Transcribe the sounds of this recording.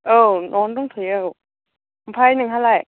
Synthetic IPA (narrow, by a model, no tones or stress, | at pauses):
ʔɤːnɔːnt̪ɔŋt̪ʰiw | pʰaːjnɯŋhʰalaj